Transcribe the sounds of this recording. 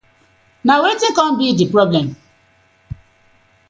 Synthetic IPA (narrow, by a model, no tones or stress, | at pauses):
nawetekɔ̃nbidipɾɔblɛm